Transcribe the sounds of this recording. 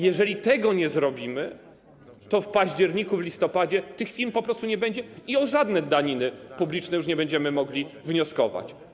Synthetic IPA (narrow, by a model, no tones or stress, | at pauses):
jɛʐɛlʲit̪ɛɡɔɲɛzɾɔbʲimɘ | t̪ɔfpaʑd͡ʑɛɾɲikuvlʲist̪ɔpad͡ʑɛt̪ɘxfʲilmpɔpɾɔst̪uɲɛbɛɲd͡ʑɛiɔʐad̪nɛd̪aɲinɘpublʲit͡ʂnɛjuʂɲɛbɛɲd͡ʑɛmɘmɔɡlʲivɲɔskɔva̰t͡ɕ